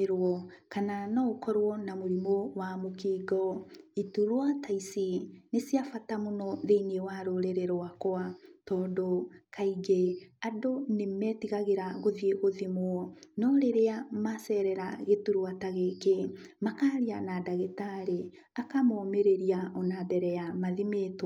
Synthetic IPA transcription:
ɾwɔ | kananɔokɔɾwɔnamoɾimowamokiːɡɔituɾwataisinesiafatamonɔðeinewaɾoɾeɾeɾoakoatɔːndokaiɡeadonemɛtiɣaɣeɾaɣoðieɣoðimwɔnɔɾeɾeamasɛɾɛɾaɣetuɾwataɣekemakaːɾianadaɣetaɾe | akamɔːmeɾeɾiaʔɔnabɛɾɛjamaðimeːtw

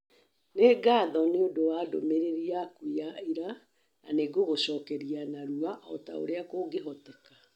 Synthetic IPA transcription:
neːɡaːðɔneondowaːdo̰meɾeɾiakujaiɾa | a̰neɡoɣoɕɔːkɛɾianaɾuaʔɔ̰ta̰o̰ɾeakoːɡeɦɔtɛkḁ

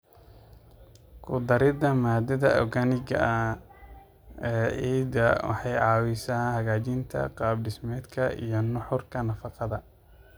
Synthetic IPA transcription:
kʰʊd̪ɐɾɪdɐmaːd̪ɐðɐʔɔɡɐnɪɣɐ̰ʔɐ | ɛːiːd̪ɐwɑ̰ħɑjʕɑːwɪsaːnhɐɣaːt͡ʃɪnt̪ʰɐ̰qɑːbɖɪsmɛːd̪kʰɐḭjɞnʊħʊrkʰɐnɐfɑqɑðɐ

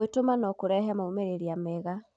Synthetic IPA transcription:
etomanɔkoɾɛɦɛmaumeɾeɾiamɛɣa

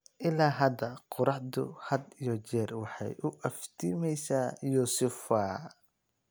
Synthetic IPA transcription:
ʔɪlaːɦɐd̪ɐqʊɾɑħd̪ʊ̰hɐd̪ijɔt͡ʃɛːrwɑħɑ̰jʔʊʔɐft̪ʰiːmɛjsaːjuːsʊfaː

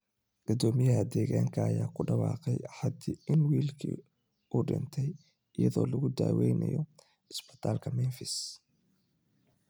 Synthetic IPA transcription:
ɡ̥ɔd̪ɔːmɪjɐɦɐd̪ɛːɣaːŋkʰɐːjaːkʰʊɖɑwɑːqɛjħɑd̪ɪɪnwiːlkʰḭ | uːɖɪnt̪ʰɛj | ɪjɐðɔːlɐɣʊd̪a̰ːwɛjnɐ̰jɔ | ɪsbɪ̥t̪ʰaːlkʰɐmɛnfɪs

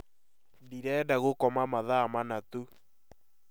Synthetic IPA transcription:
diɾɛːdaɣokɔmamaðaːmanatu

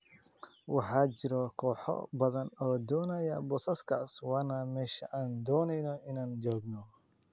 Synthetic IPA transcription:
wɑħɑːt͡ʃɪɾɔkʰɔːħɔ̰bɐðɐnɔːd̪ɔːnɐjɐbɔːsɐskʰaːswɑːnɐmɛːʃɐ̰ʔaːnd̪ɔːnɛjnɔɪnaːnd͡ʒɔːɡnɔ

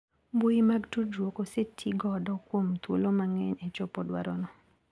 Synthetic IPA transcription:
boimaɡtud͡ʒwokosetʰiɡɔdɔkwomt̪wo̰lomaŋɛɲɛt͡ʃopɔdwa̰ɾɔ̰nɔ

